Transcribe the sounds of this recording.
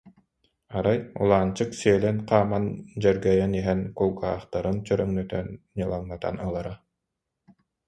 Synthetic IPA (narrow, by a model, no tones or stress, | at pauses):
aɾajṵlˠaːnt͡ɕɯksiɛlɛnqaːmand͡ʑɛɾɡɛjaniɦɛnkulˠɡaːχt̪aɾɯnt͡ɕœɾœŋnyt̪œ̰n | ɲɯlˠaŋnat̪a̰nɯlˠaɾa